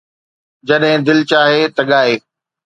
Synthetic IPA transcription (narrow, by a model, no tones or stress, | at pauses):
d͡ʑɐɗɦɪ̃d̪ɪlt͡ɕaːɦet̪ɐɠaːeː